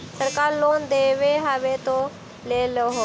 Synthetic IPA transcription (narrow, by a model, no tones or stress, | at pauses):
səɾkaːɾloːnd̪eːʋeːɦaːʋeːt̪oː | leːloɦoː